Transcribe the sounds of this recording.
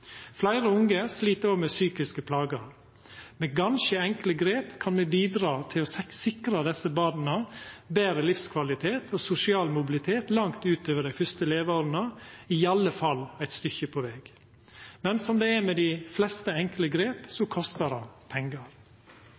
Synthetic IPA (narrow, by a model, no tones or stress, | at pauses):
flæɪɾəʊŋəsliːt̪əɾɔmesyːkɪskəpʰlɑːɡəɾ | meɡɑnʃəɛŋkləɡɾeːpkʰɑnmɛbiːd̪ɾɑːt̪ʰɪloːsɪkɾəd̪ɛsəbɑːd̪n̩əbeːɾəlɪfskʰʋɑlɪt̪ʰeːt̪ʰoːsʊsɪɑːlmʊbɪlɪt̪ʰeːt̪lɑŋt̪ʉːt̪øːʋəɖæɪfʏst̪əleːʋoːɾənəɪɑləfɑlæɪt̪st̪ʏçəpʰoʋeːɡ̥ | mɛnsɔmd̪eːæɾmɛd̪ɪflɛst̪əɛŋkləɡɾeːpsokʰɔst̪əɾɑpʰɛŋɡəɾ